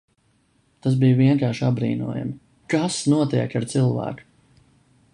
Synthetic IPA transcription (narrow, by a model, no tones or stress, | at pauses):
t̪as̬bijviɛŋkaːɾʃabɾḭːnṵɔja̰mi | kasnuɔt̪iɛkaɾt̪silˠvæ̰ːku̥